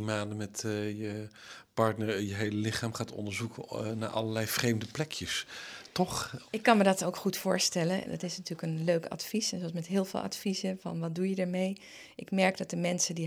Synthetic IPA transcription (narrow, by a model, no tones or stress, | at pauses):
imaːndəmɛtjəpɑɹtnəɹjəɦejləlɪχaːmχaːtɔ̰ndəɹzukəna̰ːɹʔɑ̰ləlɛjvrejmdəplɛkjəstɔχɪkːɑnmədɑtowkχutfʊːɹstɛlən̰dɑ̰tɪsnatyːləkənløɥkɑ̰tfisɛnzoɑs̬mɛtɦɪːlˠvɪ̰lˠʔɑ̰tfizəvɑ̰nʋɑt̚dujədəɹmej | ʔɪkmɛɹkdɑt̚dəmɛnsədi